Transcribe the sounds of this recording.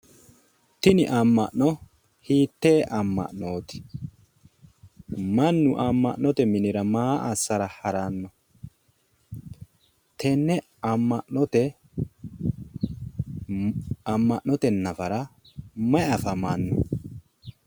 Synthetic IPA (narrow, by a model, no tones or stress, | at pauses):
t̪ɪnɪʔamːɐ̰ʔnɔ | hiːt̪ːeːʔɐmːɐ̰ʔnoːt̪ɪ̥ | mɐnːʊʔamːɐ̰ʔnːɔt̪ɛmɪnɪɾɐmaːʔɐsːɐɾɐhɐɾanːɐ | t̪ʰɛnːɛ | ɐmːɐʔnɔt̪ɛ | ɐmːɐʔnɔt̪ɛnɐfɐɾɐ | mɐjɐfɐmɐnːʊ̰